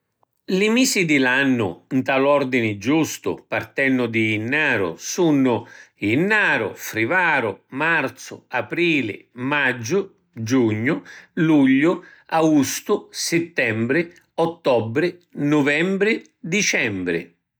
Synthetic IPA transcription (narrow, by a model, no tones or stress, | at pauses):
lɪmiːsid̪ɪlanːʊ̰nt̪alɔrd̪inɪd͡ʒust̪ʊ̰part̪ɛnːʊd̪iːnːaːɾʊ̰sunːʊinːaːɾʊ̰fɾivaːɾʊmart̪sʊ̰apɾiːlɪ̰mad͡ʒːʊ | d͡ʒuɲːʊluʎːʊaɡust̪ʊsɪt̪ːɛmbɾɪ | ɔt̪ːɔbɾɪnʊvɛmbɾɪ | d̪it͡ʃɛmbɾɪ̰